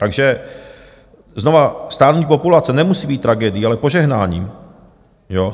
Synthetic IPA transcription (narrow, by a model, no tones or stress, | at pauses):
t̪aɡʒɛ | zno̞vast̪aːnuɲpo̞pulat͡sɛnɛmusiːbiːt̪ːɾaɡɛdɪjialɛpo̞ʒɛɦnaːɲiː | jo